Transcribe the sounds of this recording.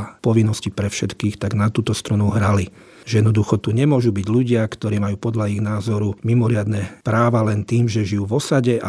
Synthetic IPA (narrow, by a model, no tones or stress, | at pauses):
pɔʋinːɔscipɾɛfʃɛt̪kiːxt̪aɡnat̪uːt̪ɔst̪ɾunuɦɾali | ʒɛjɛd̪nɔd̪uxɔt̪uɲɛmʊɔʒubiɟluɟɪakt̪ɔɾiːmajuːpɔd̪laiɣnaːzɔɾumimɔɾɪad̪nɛpɾaːʋalɛnt̪iːmʒɛʒijuːʋɔsaɟɛʔa